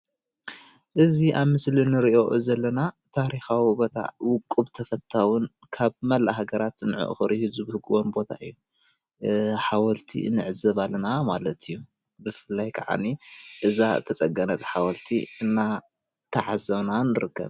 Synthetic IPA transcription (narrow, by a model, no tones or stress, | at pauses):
ʔɨziʔaβmɨslinɨɾiʔo̞ʔɨzɐlːɐnat̪ʰaɾixawibo̞t̪ʰa̰wʊkʼːuβt̪ʰɐfɐt̪ʰːawʊn | kʰaβmɐlːaɦaɡɐɾat̪nɨʕɨ̰ʔxɨɾihizɨbɨhɨɡɨwonbo̞t̪ʰa̰ʔɨ̰jːu | ħawɐlt̪ʰḭnɨʕɨzɐβalːɐnamalɐt̪ʰijːu | bɨfɨlːajkʰɐʕa̰niʔɨzat̪ʰɐt͡sʼɐɡɐnɐlħawɐlt̪ʰḭɨnːa | t̪ʰɐʕazɐβnanɨɾɨkːɐ̰β